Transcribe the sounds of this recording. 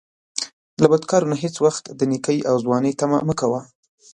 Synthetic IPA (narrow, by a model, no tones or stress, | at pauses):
labad̪kɑɾonaɦet͡swaxt̪d̪ənikəjʔawzwɑnəjt̪ama̰məkawa